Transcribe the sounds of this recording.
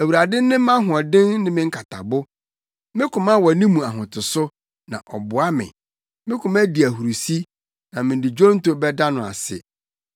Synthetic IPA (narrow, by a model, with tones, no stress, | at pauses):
æ˨wu˨ɾa˨dɪ˦nɪ̃˦mã˦ɦʊ˨ɔ˨dɪ̃˦nnɪ̃˦mɪ̃˦ŋ̩˦kʰa˨tʰa̰˨bʊ˦ | mɪ̃˦kʊ̃˨mã˦wɔ˨nĩ˦mũ˨a˨ɦʊ̃˨tʰʊ˨sʊ˦ | nã̰˨ʔɔ˨bʊ˨a˦mɪ̰̃˨ | mɪ̃˦kʰʊ˨mæ˦di˨æ˨hu˨ɾu˨si˦ | nã˨mɪ̃˨n˨dɪ˨d͡ʑᶣɔ˦n˦tʊ˦bɛ˦da˦nʊ̃˨a̰˨sɪ̰˨